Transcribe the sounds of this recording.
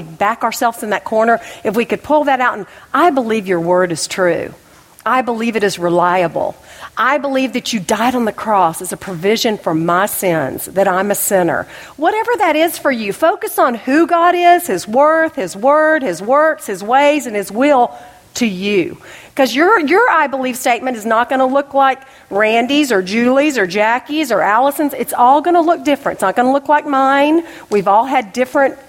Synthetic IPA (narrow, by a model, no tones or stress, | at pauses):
bækə˞sɛlˠvz̃n̩ðɨt̚kʰɔɹnə˞ɨfwikɨd̚pʰʊlˠðɨɾaʊɾ̃n̩ʔaɪbəlivjə˞wɜ˞ɾɨz̥tʰɹ̥ʉ̰ | ʔaɪbəlivɨɾɨzɹəlaɪɨbl̩ˠʔaɪbəlivðɨt͡ʃɨdaɪɾn̩ðɨkʰɹ̥ɔsɨzəpʰɹ̥ɨvɪʒɨ̃nfə˞maɪsɪ̃nz̥ðɨɾãɪ̃mɨsɪ̃nə̰˞ | wʌɾɛvə˞ðɨɾɪz̥fə˞jɨfoʊkɨsn̩hʉɡɑɾɪz̥hɪzwɜ˞θhɪzwɜ˞d̚ɨzwɜ˞kshɨzweɪzɨ̃nɨzwɪlˠ | tʰɨjʉkʰʌzjə˞jə˞aɪbəliv̥steɪt̚mɨ̃ñtɨznət̚ɡ̥ʌnəlʊklaɪk | ɹæ̃ndizə˞d͡ʒʉlˠizə˞d͡ʒækizə˞ʔælˠəsɨ̃n̩zɨtsɔlˠɡʌñəlʊk̚d̥ɪfɹɨ̃ntsnət̚ɡ̥ʌnəlʊklaɪk̚mãɪ̃n | wivɔlˠɨdɪfɹɨ̃nt̚